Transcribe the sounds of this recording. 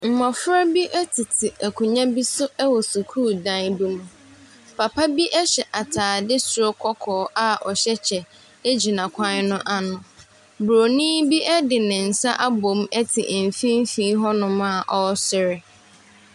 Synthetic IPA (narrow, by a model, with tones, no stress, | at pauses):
m̩˨mɔ̃˨fɾa˦bi˦ʔɛ˦tʰɪ˨tʰɪ˨ʔæ˨kʰʊ˨ɲã˦bi˦sʊ˦ɛ˦wɔ˨su˨kʰu˦˨dã˦n˦bu˦mũ˨ | pʰa˨pʰa˦bi˦ʔɛ˦ɕɛ˨ʔa˨tʰaː˨dɪ˦su˨ɾo˦kʰɔ˦kʰɔː˨ʔa˦˨ʔɔ˨ɕɛ˦t͡ɕʰɛ˨ | e˦d͡ʑi˨nã˨kʷʰã˦n˦nʊ̃˦ʔa˦nʊ̃˨ | bɾo˨nĩ˦bi˦ʔɛ˦dɪ˨nɪ̃˨n̩˨sa˦ʔa˦bo˨mɛ˦tʰɪ˨ʔm̩˨fĩ˦m̩˦fĩ˦ɦɔ˦nʊ̃˨mã˦˨ʔɔ˦sɪ˨ɾɪ˨